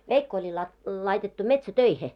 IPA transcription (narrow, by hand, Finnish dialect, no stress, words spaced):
ʋeikːo olʲi lɑi lɑitetːu metsætøihe